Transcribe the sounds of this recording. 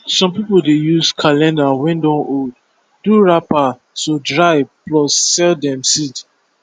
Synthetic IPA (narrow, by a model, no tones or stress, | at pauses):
sɔ̃mpipoldejuskʰalɛ̃ndawĩndõmod | duɹapa | todɹaɪplɔsːɛldɛ̃msit